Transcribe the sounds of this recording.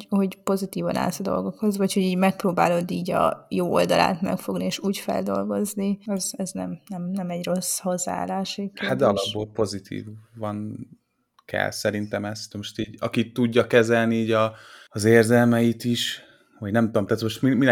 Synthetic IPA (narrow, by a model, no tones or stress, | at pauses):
ho̞ɟpo̞zit̪iːvɒna̰ːzɒd̪o̞̰lɡo̞kho̞zvɒchoɟiːɟmɛk̚proːbaːlo̞d̪iːɟɒ̰joːo̞̰ld̪ɒ̰lʔa̰ːt̪mɛ̰kfo̞ɡnieːʃuːcfɛ̰ld̪o̞lɡo̞zniɛzɛznɛmnɛmnɛmɛɟro̞sho̞zːa̰aːlaːʃɛkːeat̪d̪ɒlɒbːoːlpo̞zit̪ʰḭːvɒn | kɛ̰lsɛɾint̪ɛmɛst̪moʃt̪iːɟɒ̰kit̪ːuɟːɒkɛzɛlniiːɟɒːzeːrzɛlmɛjit̪iʃ | vɒɟnɛmt̪uomt̪aːt̪moʃt̪mimin